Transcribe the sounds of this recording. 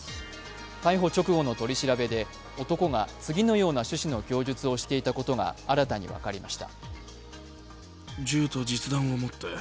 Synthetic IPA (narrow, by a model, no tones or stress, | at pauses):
kaiɦo̞t͡ɕo̞kɯ̟ɡo̞no̞t̪o̞ɾʲiɕiɾabe̞d̪e̞ | o̞t̪o̞ko̞ɡat͡sɨɡʲino̞jo̞ːnaɕɨɕino̞kʲo̞ːʑɨt͡sɨo̞ɕi̥t̪e̞it̪ako̞t̪o̞ɡa̰aɾat̪aɲ̟ḭβa̰kaɾʲimaɕi̥t̪a̰ | d͡ʑɨːt̪o̞d͡ʑit͡sɨd̪ãɰ̃omo̞t̪ːe̞